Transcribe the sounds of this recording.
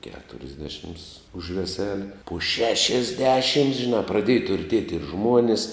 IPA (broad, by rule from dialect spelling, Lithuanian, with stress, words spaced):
kʲɛtʊrʲɪzʲˈdʲæːʃʲɪms ʊʃ ʋʲɛˈsʲæːlʲɪ poː ʃʲɛʃʲɪzʲˈdʲæːʃʲɪms ʒʲɪˈnɑː prɐˈdʲeːjɛ tʊrʲˈtʲiɛtʲ ɪr ˈʒmuɔnʲɪs